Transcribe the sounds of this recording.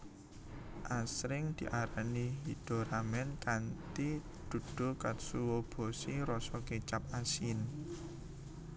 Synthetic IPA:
ʔasɾɪŋd̪̥i̤ʔaɾaniɦid̪̥o̤ɾamɛnkant̪i | d̪̥ṳd̪̥o̤kat̪suwob̥o̤siɾɔsɔket͡ʃap̚asin

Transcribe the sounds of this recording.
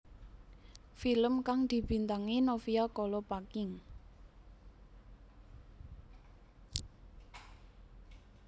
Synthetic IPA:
filəmkaŋd̪̥i̤b̥i̤nt̪aŋinofiakɔlɔpakɪŋ

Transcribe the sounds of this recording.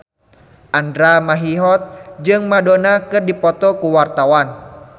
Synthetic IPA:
ʔandɾamaɦiɦɔt̪̚d͡ʒɨŋmadonakɨrdipɔt̪ɔkuwart̪awan

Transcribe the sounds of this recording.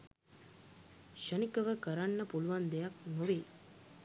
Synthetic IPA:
ʃənikəʋəkəɾanːəpuluʋand̪ejaknoʋeː

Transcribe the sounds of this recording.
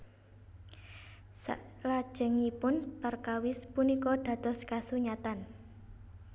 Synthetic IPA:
sa̰lḁʒ̥ə̤ŋipʊnt̪ərkawɪspunikɔd̪̥a̤t̪ɔ̤skasuɲat̪an

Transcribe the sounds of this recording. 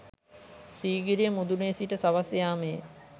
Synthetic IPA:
siːɡiɾijəmud̪uneːsiʈəsaʋasjaːmej

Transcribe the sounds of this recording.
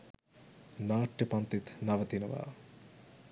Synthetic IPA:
naːʈːepɐnt̪it̪nɐʋɐt̪inɐʋa̰ː

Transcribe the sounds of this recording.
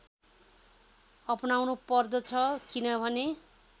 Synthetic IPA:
ʌpnawnupʌrd̪ʌt͡sʰʌkinʌbʱʌne

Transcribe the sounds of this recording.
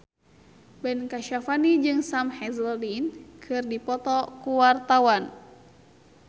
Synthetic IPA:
bɛnkaʃafanid͡ʒɨŋsamhɛzlinkʰɨrdipɔt̪ɔkuwart̪awan

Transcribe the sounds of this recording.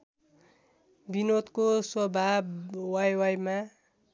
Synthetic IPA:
binot̪koswʌbʱabwajwajma

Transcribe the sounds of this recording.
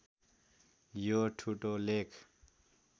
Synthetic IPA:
joʈʰuʈolekʰ

